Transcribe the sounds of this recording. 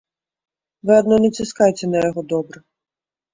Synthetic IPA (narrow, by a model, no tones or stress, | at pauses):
ʋɪɐd̪nɔnɛt͡sʲiskɑjt̪ʲɛnɐjɔɦɔd̪ɔbɾɐ